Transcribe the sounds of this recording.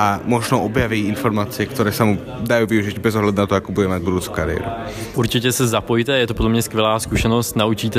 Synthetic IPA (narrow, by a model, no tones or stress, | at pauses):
amɔʒnɔʔobjaviːinfoɾmaːt͡sɪɛkt̪ɔɾɛːsamu | d̪ajuːviuʒiɟbɛzɔɦlad̪unat̪ɔakobudɛmaɟbud̪uːt͡suka̰ɾɪɛ̰ɾṵ | ʔuɾt͡ʃɪcɛsɛzapojt̪ɛjɛt̪opodlɛmɲɛskʋʲjɛlaːskuʃɛnost̪naut͡ʃiːt̪ɛ